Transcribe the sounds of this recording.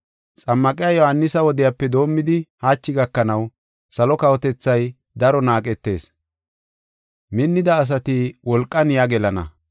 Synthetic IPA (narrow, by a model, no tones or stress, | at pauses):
t͡sʼɐmːɐkʼɪjajɔhɐnːɪsɐwɔd̪ɪjapːɛd̪o̞ːmːɪd̪ɪhaːt͡ʃːɪɡɐkːɐnɐw | sɐlɔkɐwɔt̪ɛt͡sːɐj | d̪ɐɾɔnaːkʼɛt̪ːe̞̰ːs | mɪnːɪd̪ɐːs̬ɐt̪ɪwɔlkʼːɐnjaɡɛlɐnɐ̰